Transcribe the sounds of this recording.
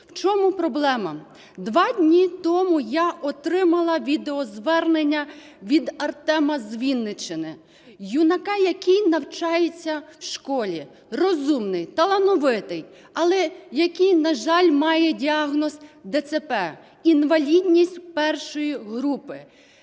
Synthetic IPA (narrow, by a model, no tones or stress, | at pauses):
wt͡ʃɔmʊpɾɔblˠɛmɐ | d̪ʋɑdʲnʲit̪ɔmʊjaʔɔt̪ɾɪmɐlˠɐʋʲid̪eɔzʋɛrnenʲːɐ | ʋʲid̪ɐrt̪ɛmɐzʋʲinːɪt͡ʃɪnɪ | junɐkɑjɐkijnɐwt͡ʃɑjet͡sʲːɐwʃkɔlʲi | rɔzumnɪjt̪ɐlˠɐnɔʋɪt̪ɪj | ɐlˠɛjɐkʲijnɐʒɑlʲmɑjɛdʲiɑɦnɔsd̪ɛt̪sepɛ | inʋɐlʲidʲnʲisʲtʲpɛrʃɔjiɦɾupɪ